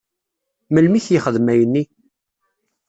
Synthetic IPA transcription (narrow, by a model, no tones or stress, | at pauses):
məlmiθjəχəðmæjənːi